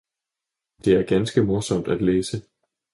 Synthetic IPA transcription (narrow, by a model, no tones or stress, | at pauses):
d̥e̝æɐɡ̥ænsɡ̥əmoɐsɒ̽m̰d̥æd̥leːsə